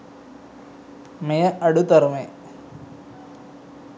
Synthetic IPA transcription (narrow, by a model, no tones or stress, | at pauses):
mejɐʔɐɽut̪ɐɾme